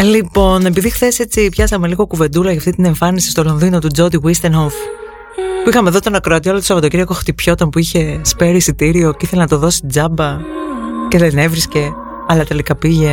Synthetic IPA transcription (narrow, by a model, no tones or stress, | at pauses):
lipo̞ne̞piðixθe̞se̞t͡sipçɐsɐme̞liɣo̞kuve̞nd̪ulɐʝɐft̪int̪ine̞ɱfɐnisi̥st̪o̞lo̞nðino̞t̪ud͡zo̞d̪iɣwist̪enxof | puixɐme̞ðot̪o̞nɐkɾoɐt̪ioɐlot̪osɐvɐt̪ociɾiɐkoxt̪ipço̞t̪onpuiçe̞speɾisit̪iɾio̞ceiθe̞lenɐt̪o̞ðo̞sid͡zɐbɐ | ce̞ðenevɾisce̞ | ɐlɐt̪elikɐpiʝe̞